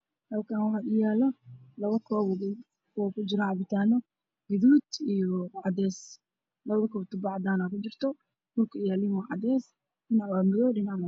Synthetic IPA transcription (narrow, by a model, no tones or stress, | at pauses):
hɐlkʰanwħɑɡɪjaːlɔlɐβɐkʰɔːβɔɡ | kʰɔkʊd͡ʒɪɾɐʕɑβɪt̪ʰaːnɔ | ɡɪðuːd̪ijɔʕɑd̪ɛːs | lɐβɐðɐkʰɔːbt̪ʊbɑʕd̪aːnakʊt͡ʃɪrt̪ʰɔ | mʊlkʰɐjaːlɪmɔʕɑ̰d̪ɛːs | dɪnaʕwaːmɪðɔːɗɪnaʕma